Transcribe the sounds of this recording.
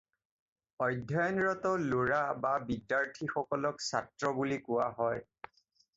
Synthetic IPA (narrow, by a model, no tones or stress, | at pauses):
ɔjdʱjajɔnɹɔtɔloɹababidːaɹtʰixɔkɔlɔksa̰tɹɔbulikʊwaɦɔj